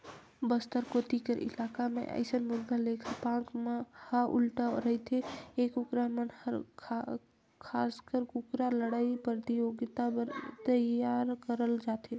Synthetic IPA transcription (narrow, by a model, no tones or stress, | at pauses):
bəst̪əɾkot̪ikəɾʔɪ̰lakamḛʔə̰ɪsənmʊd̪ʱːalekʰəpãkmehəʔṵlʈaɾəit̪ʰeekukɾamenhʰ | kʰaskəɾkukɾaləɽaipɾət̪ijoɡt̪aəɾt̪əjaɾkəɾəld͡ʒat̪e